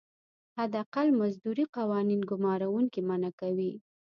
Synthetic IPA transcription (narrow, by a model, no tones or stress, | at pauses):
had̪aqalmazd̪uɾiqawɑninɡʊmɑɾawuŋkimanakawi